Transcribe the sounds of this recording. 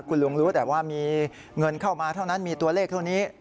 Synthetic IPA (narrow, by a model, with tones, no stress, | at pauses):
kʰu˧nlo˧ŋɾuː˦˥t̪ɛː˨˩p̚waː˥˩miː˧ | ŋɤ˧nkʰa˥˩wmaː˧t̪ʰa˥˩wna˦˥nmiː˧t̪u˧ɐleː˥˩k̚t̪ʰa˥˩niː˦˥